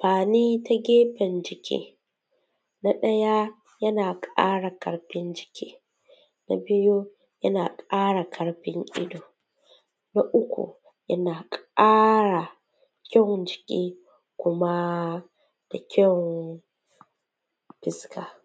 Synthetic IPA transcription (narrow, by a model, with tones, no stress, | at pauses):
ɸaː˨niː˦ta˦ɡʲeː˦ɸɛ˨nd͡ʒɪ˨kʲḭː˦ | na˦ɗɐ˦ja˦ | jɐ˦naː˨kʼa̰ː˦ɽa˨kɐ̰˨ɽɸɪ˦nd͡ʒɪ˨kʲḭː˦ | na̰˦bɪ˦jo˦ | jɐ˦naː˨kʼaː˦ɽa˨kʰɐ˨ɽɸɪ˦ŋʔɪ̰˦doː˨ | na˦ʔʊ˦kʷṵ˨ | jɐ˦naː˨kʼaː˦ɽa˨ | kʲɐ˦˨ŋd͡ʒɪ˨kʲiː˦ | kʷʊ˦ma˦ | d̥a˨kʲʰɐ˦ŋ | ɸɪ˦skʰaː˨